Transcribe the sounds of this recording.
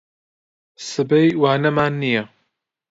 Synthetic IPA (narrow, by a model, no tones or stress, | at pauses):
sɨbejwaːnɐmaːnːijɐ